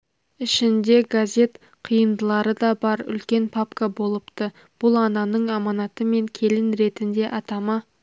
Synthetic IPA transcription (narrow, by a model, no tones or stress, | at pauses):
ɪʃɪnd̪e̞ɡazʲe̞t̪ | qʰijənd̪əlˠɑɾəd̪ɑbɑɾʏ̰lkʲe̞npʰapkabo̞lˠəpt̪ə | b̥ʊlˠɑnɑnəɴɑmɑnɑt̪əme̞ŋkʲʰe̞lɪnɾe̞t̪ɪnd̪e̞ʔɑt̪ɑmɑ